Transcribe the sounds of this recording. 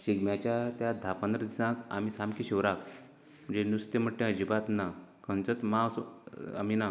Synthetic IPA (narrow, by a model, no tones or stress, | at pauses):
ɕiɡmjat͡ɕjat̪jad̪ʱapãnd̪ɾəd̪isãka̰misamkiɕiʋɾak | m̤əɳd͡zenust̪em̤əʈʈːẽəd͡ʑibat̪nakə̃nt͡sət̪mãsa̰mina